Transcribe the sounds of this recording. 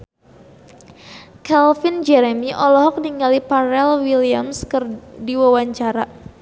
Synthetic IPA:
kɛlfind͡ʒɛɾemiʔɔlɔɦɔk̚diŋɡalipaɾɛlwiliamskərdiwawaɲt͡ʃaɾa

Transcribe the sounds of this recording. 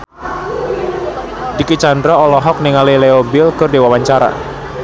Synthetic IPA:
dikit͡ʃandɾɔɔlɔɦɔk̚niŋaleleoɔbɪlkɨrdewawaɲt͡ʃaɾa̰

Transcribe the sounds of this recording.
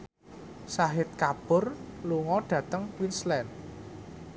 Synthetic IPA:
saɦɪt̪̚kab̥ʊ̤rluŋɔɖ̥ä̤t̪əŋwinslɛn

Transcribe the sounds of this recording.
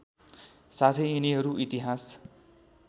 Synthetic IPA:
sat̪ʰʌːniɦʌɾuʔit̪iɦas

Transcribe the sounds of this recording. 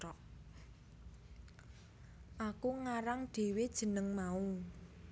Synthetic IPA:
ɔʔ | ʔakuŋaɾaŋd̪̥e̤wed̥ʒ̥ə̤nəŋmau

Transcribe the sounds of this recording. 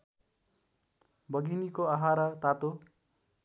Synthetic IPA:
bʌɡinikoaɦaɾʌt̪at̪o

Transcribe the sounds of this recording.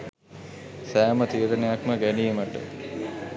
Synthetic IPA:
sæːmət̪iːɾənejakməɡænijeməʈːə̰

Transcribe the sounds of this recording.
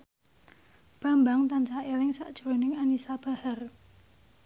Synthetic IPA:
b̥a̤mbaŋt̪ant͡ʃaewɪŋsa̰ʔd̥ʒ̥ɾonɪŋanisab̥a̤har

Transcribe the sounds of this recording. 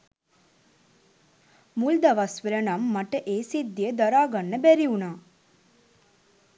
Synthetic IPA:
muld̪ɐʋasʋiɾənamːɐʈəʔeːsid̪ːiəd̪ɐɾaːɡanːəbɛɾiunaː

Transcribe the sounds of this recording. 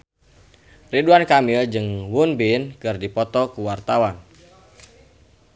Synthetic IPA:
riduankamild͡ʒɨŋwunbinkɨrdipɔt̪ɔkuwart̪awan

